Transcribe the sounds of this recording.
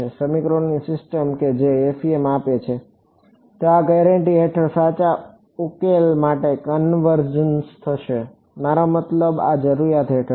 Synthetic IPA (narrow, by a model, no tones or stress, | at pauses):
esəmikɾonːisɪsʈəmked͡ʒeːfiemapet͡ʃʰe | t̪eaɡɛɾəɳʈiɦeʈʰəɾsat͡ʃa | ukelmaʈekənʋəɾd͡ʒənst̪ʰəʃe | maɾomət̪ləba̰d͡ʒəɾuɾjat̪ɦeʈʰə